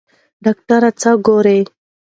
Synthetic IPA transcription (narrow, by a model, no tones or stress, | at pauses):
ɖɑk̚ʈaɾat͡saɡoɾe